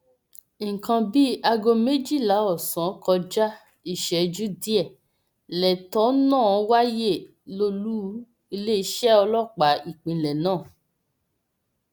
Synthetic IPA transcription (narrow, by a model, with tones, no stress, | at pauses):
ŋ̩˨kã˧bi˦a˧ɡo˧me˦d͡ʒi˦˨la˨˦ɔ˦˨sã˨˦kɔ˧d͡ʒa˦ | i˦˨ʃɛ˨d͡ʒu˦di˦ɛ˦˨ | lɛ˨tɔ˨˦nã˦˨˦wa˦je˦˨ | lo˧lu˦ | i˧le˦i˦ʃɛ˦ɔ˧lɔ˦˨k͡pa˨˦i˦˨k͡pĩ˨lɛ˨nãː˦˨